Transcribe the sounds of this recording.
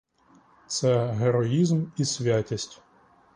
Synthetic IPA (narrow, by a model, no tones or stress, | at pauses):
t̪sɛɦeɾɔizmisʲʋʲatʲisʲtʲ